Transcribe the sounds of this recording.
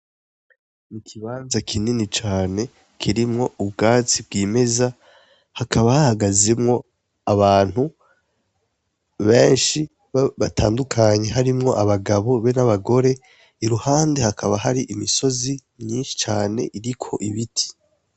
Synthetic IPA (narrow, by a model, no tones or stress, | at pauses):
nikʰiβaːnzakʰininit͡ʃaːne̞ | kʰiɾimŋo̞ubɡaːt͡sib̚ɡiːme̞za | hakʰaβahahaɡaze̞mŋo̞ | aβaːn̥hu | βe̞ːnʃi | ββatʰa̰ːndukʰaɲe̞ɦaɾimŋo̞ʔaβaɡaβo̞βenaβaɡo̞ɾe̞ | iɾuhaːnde̞hakʰaβaɦaɾiʔimiso̞zimɲiːnʃi̥t͡ʃaːne̞̰ʔiɾikʰo̞̰ʔiβitʰi̥